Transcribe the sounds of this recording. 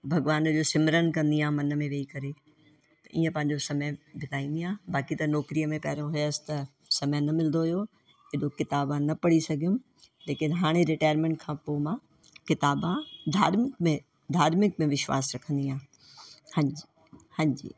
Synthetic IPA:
bʱɐɡʋaːnd͡ʑoːsɪmɾənkɐ̃nd̪iãːmɐnəmẽʋeːikɐɾe | t̪ɐʔḭːə̃pɐ̃ɦɪ̃ɲd͡ʑosɐməjbʱɪt̪aːĩːnd̪ijãːbaːkit̪ɐnɔːkɾijəmẽpɐːɾõɦʊjsɪ̥t̪ɐ | sɐməjnɐmɪlnd̪oɦʊjo | ɪɗokɪt̪aːbãnɐpɐɽ̤isɐɡʱijũ | leːkɪnɦaːɽ̃eɾɪʈaːjəɾmẽːɳʈkʰãːpoːmã | kɪt̪aːbãd̪ʱaːɾmɪkmẽ | d̪ʱaːɾmɪk̚mẽʋɪʃwa̰ːsɾɐkʰə̃nd̪iãː | hɐ̃ɲd͡ʑi | hɐ̃ɲd͡ʑḭː

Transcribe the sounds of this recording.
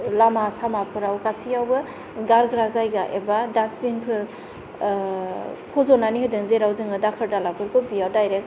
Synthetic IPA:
lamasamapʰɯɾawkasijawbɯ | ɡaɾɡɾazajɡaʔebadasbinpʰɯɾ | pʰɔzɔnaniɦɯdɯŋzeɾawzɯŋɯdakʰɯɾdalapʰɯɾkʰɔbijawdajɾek̚

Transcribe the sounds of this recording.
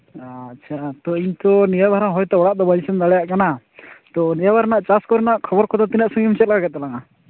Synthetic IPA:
t͡ʃʰat̪ɔiɲt̪ɔnijabʱaɾaŋɦɔjt̪ɛɔɽaʔd̪ɔbaisɛnd̪aɽɛjaʔkana | t̪ɔnijabaɾnaʔt͡ʃaskɔɾnaʔkʰɔbɔɾkʰɔt̪ɔt̪inaʔsɔŋɡɛmit͡ʃɛt̪̚laaɡɛt̪̚ːalaŋa

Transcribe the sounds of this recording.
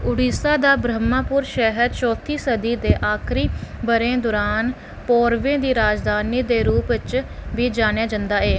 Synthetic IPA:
ʊɽiːsaːd̪aːbɾəmːaːpʊɾʃɛɦəɾt͡ʃɔːt̪ʰiːsəd̪iːd̪eːʔaːkʰɾiːbəɾẽːd̪ʊːɾaːn | pɔːɾʋẽːd̪iːɾaːd͡ʒd̪aːniːd̪eːɾuːpt͡ʃʋiːd͡ʒaːnjaːd͡ʒənd̪aːeː

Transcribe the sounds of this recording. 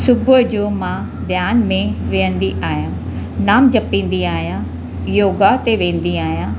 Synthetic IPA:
sʊbəd͡ʑoːmãː | d̪ʱjaːnmẽʋẽːə̃nd̪iʔaːjãː | naːmd͡ʒəpĩːnd̪iaːjãː | joːɡat̪eʋẽːnd̪iaːjãː

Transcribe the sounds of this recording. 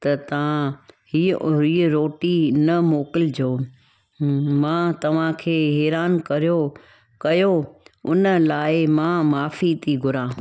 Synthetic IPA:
t̪ɐt̪ɐʋ̤ãhiːiːɾoːʈinɐmoːkɪld͡ʑoː | mãːt̪ɐʋ̤ãkʰeːɛːɾaːnkɐɾijo | kɐjoʊnəlaːɪmãmaːfit̪ʰiɡʱʊɾãː

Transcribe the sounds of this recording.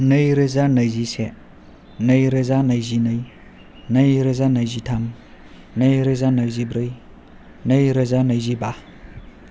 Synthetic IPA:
nɯjɾɯzanɐjzise | nɐjɾazanajzinaj | nɐjɾɯzanajzitʰam | najɾɯzanajzibɾɯj | nɐjɾɯzanajziba

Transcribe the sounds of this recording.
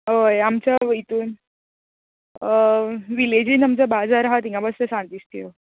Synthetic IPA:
ɦojamt͡ɕait̪uːn | ʋiled͡ʑinamt͡ɕabad͡zaɾaɦat̪iŋkabəst̪əsãnt̪ist̪io

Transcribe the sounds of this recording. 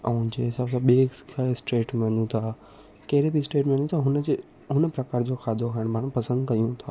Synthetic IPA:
ãʊ̃d͡ʑeɦɪsaːbsãɓeːkasʈɾeːʈmẽɦə̃nd̪ũt̪ʰaː | kɐɦɪɾebisʈɾeːʈmẽɐ̃nd̪ũt̪ʰaɦʊne | ɦʊnəpɾɐkaːɾd͡ʑoxʰaːd̪ʱoɦɐɪɽ̃bʱaːɽ̃pɐsə̃nd̪kɐjũt̪ʰaː

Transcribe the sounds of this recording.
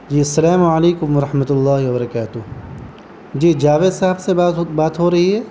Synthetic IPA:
d͡ʒiːɐsːɐlaːmɐleːkʊmʋɐɾɐħmɐt̪ʊlːaːɦiwɐbɐɾɐkaːt̪ʊɦ | d͡ʒiːd͡ʒaːʋeːd̪saɦəbsebabaːt̪ɦoɾɐɦiɦɛː

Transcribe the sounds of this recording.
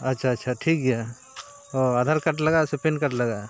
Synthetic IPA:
ɐtːʃʰaɐtːʃʰaʈʰiːkɡija | oad̪ʱəɾkɐʈlɐɡasʊpenkɐʈlɐɡaː

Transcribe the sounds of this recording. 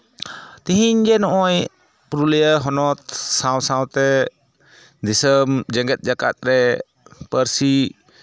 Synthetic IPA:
t̪iɦiɲd͡ʒɛnɔʔɔj | pɾulɛjəɦɔnɔt̪̚sãwsãwt̪ɛ | d̪isəmd͡ʒəŋɡɛt̪̚ˀd͡ʒaka̰t̪̚ɾɛ | pəɾsi

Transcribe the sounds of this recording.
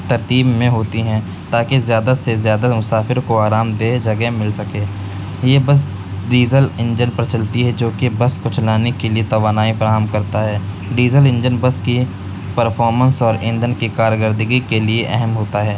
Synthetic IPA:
t̪ɐɾt̪iːbmẽɦoːt̪iɦɛ̃ | t̪aːkezjaːd̪asezjaːd̪amʊsaːfɪɾkoaːɾaːmd̪eːd͡ʒɐɡɛmɪlsɐkeː | jebɐs̬ | ɖiːzəlɪ̃ɲd͡ʒənpɾɐt͡ʃəlt̪iɦɛd͡ʒoːkebɐskʊt͡ʃʰlaːnekeliet̪ɐʋaːnaːifɐɾaːɦəmkɐɾt̪aɦɛː | ɖiːzəlɪ̃nd͡ʒənbɐski | pəɾpʰɔːɾmə̃nsɔːɾẽːnd̪ənkikaːɾjəɡəɾd̪ɪɡikelieʔɛɦɛmɦoːt̪aɦɛː

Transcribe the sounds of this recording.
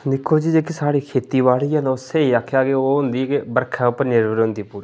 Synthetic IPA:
d̪ɪkʰːoːd͡ʒiːd͡ʒeːkisaːɽiːkʰeːt̪iːʋaːliːə̃nʊseːiːakʰːjaːkeoːɦʊ̃nd̪iːkɪbəɾkʰɛːʊpːəɾnɪɾʋəɾʊ̃nd̪iːpuːɾiː

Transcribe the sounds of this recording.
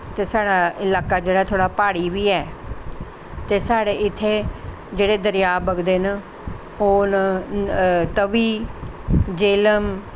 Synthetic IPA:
t̪eːsaːɽaːɪlaːkaːd͡ʒeːɽaːt̪ʰoːɽaːpaːɽiːʋiːɛː | t̪eːsaːɽeːɪt̪ʰːeː | d͡ʒeːɽeːd̪əɾɪjaːbəɡd̪eːn | oːn | t̪əʋiː | d͡ʒeːləm

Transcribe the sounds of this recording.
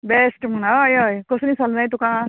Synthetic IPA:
besʈmunɔjɔjkɔsunisalnajt̪uka

